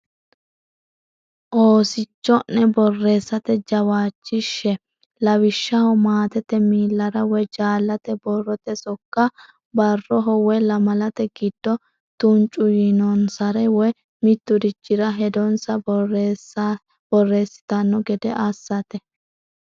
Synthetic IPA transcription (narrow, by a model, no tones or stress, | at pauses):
ʔo̞ːsɪt͡ʃːɔnːɛbɔrːe̞ːsːɐt̪ɛd͡ʒɐwaːt͡ʃːɪʃːɛ | lɐwɪʃːɐhɔmaːt̪ɛt̪ɛmiːlːɐɾɐwɔjd͡ʒaːlːɐt̪ɛbɔrːɔt̪ɛsɔkːɐ | bɐrːɔɦɔwɛjlɐmɐlɐt̪ɛɡɪd̪̥ːɔ | t̪ʊnt͡ʃʼːʊjɪnɔnsɐɾɛwɔj | mɪt̪ːʊd̪ɪd͡ʒːɪɾɐɦɛd̪ɔnsɐsa | b̥ɔrːe̞ːsːɪ̥t̪ɐnːɔɡɛd̪ɛʔɐsːɐt̪ɛ